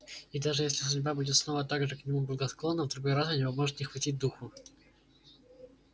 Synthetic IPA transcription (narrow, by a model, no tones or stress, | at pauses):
id̪aʐɨjesʲlʲɪsʊdʲbabudʲɪt̪sno̞vət̪aɡʐɨknʲɪmublˠəɡəsklˠo̞nːəvd̪ɾʊɡo̞jɾasɐnʲɪvɐzmo̞ʐɨt̪nʲɪxvɐtʲit̚ʲd̪uxʊ